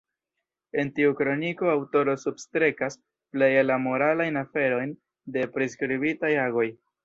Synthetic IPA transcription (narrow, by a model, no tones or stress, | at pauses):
e̞ntiukɾo̞niko̞awto̞ɾo̞substɾe̞kas | ple̞jelamo̞ɾalajnafe̞ɾo̞jn | de̞pɾiskɾibitajaɡo̞j